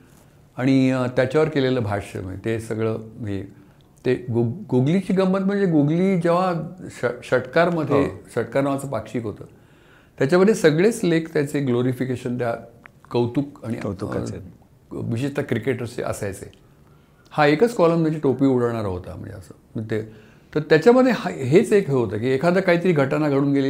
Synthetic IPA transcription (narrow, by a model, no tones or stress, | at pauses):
aɽ̃it̪jat͡ɕaʋəɾkeleləːbʱaɕə̰m̤ə̰ɳd͡ʑḛt̪esəɡɭəːɦe | t̪eɡɡoɡlit͡ɕiːɡəmbət̪̚m̤əɳd͡zeɡuɡliːd͡ʑeʋaəɕəʈkaɾməd̪ʱːjeɕəʈkaɾnəʋat͡səpakɕiːkɦot̪əː | t̪ːjat͡ɕaməd̪ʱjesəɡɭet͡slekt̪jat͡seɡloɾifikeɕənt̪jakəwt̪uːkaɽ̃ḭṵ | ʋiɕ̬et̪jakɾikeʈəɾsḛʔə̰sajt͡sḛ | haekət͡skɔləmd̪at͡ɕiʈopiːuɽ̤əɭɳ̃aɾaɦot̪a̰m̤ə̰̃ɳd͡zḛəsə̰ːmət̪e | t̪əɾt̪jat͡ɕjaməd̪ʱjehaɦet͡sekɦeɦot̪ək̬iekʰad̪əkaɦiːt̪əɾiːɡʱəʈanaɡʱəɽ̃uːnɡeli